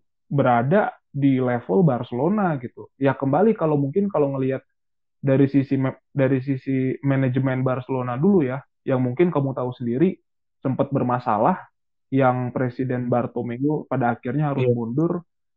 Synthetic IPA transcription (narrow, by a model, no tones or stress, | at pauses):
bəɾada | dilefəlbarsəlonaɡit̪ujahkəmbalikalowmuŋkɪnkaloŋəliɦat̪̚ | daɾisisi | daɾis̬isimɛnɛd͡ʒmɛnbarsəlonaduluja | jaŋmuŋkɪnkamut̪ausəndiɾi | səmpət̪̚bərmasa̰lah | jaŋpɾesidɛnbart̪omeupadaːkɪrɲaɦaɾʊsbundʊr